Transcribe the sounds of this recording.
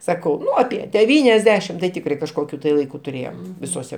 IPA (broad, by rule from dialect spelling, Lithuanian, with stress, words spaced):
ˈsɑːkɐʊ ˈnʊ ɐˈpʲiɛ dʲɛˈʋʲiːnʲɛzʲˌdʲæːʃʲɪm tɐɪ ˈtʲɪkrɐɪ kɐʃˈkoːkʲʊ tɐɪ lˠɐɪˈkʊ tʊˈrʲeːjoːm ʋʲɪsoːˈsʲɛ